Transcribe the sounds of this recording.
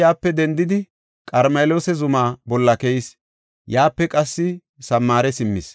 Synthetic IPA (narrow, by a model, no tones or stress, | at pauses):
jaːpːɛd̪ɛnd̪ɪd̪ɪ | kʼɐɾmeːloːsɛzʊmaːbɔlːɐkɛjɪs | jaːpːɛkʼɐsːɪ | sɐmːaːɾɛsɪmːɪs